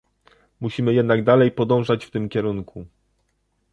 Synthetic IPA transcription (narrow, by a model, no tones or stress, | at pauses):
muɕimɘjɛd̪naɡd̪alɛjpɔd̪ɔ̃w̃ʐat͡ɕft̪ɘmkʲɛɾuŋku